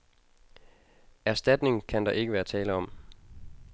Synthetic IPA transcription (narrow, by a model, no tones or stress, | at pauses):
æɐsd̥æd̥ne̝ŋkʰænd̥ɑ̈ʔe̝ɡ̥əʋæːɐt͡sʰɛːləɒ̽m̰